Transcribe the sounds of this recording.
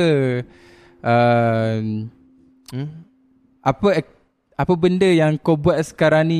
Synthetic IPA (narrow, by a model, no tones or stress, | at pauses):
ə | ʔə | ʔapə | apəbəndəjaŋkobuaʔsə̥kaɾaŋni